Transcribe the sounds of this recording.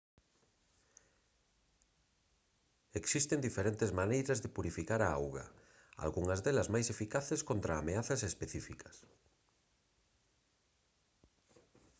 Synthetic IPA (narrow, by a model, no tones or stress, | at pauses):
eksist̪end̪ifeɾent̪ezmanejɾɐzðɪpuɾifikaɾaawɣɐ̰ | a̰lɣuŋɐzðelɐzmajsefikaθeskont̪ɾaːmeaθɐsespeθifikɐ̥s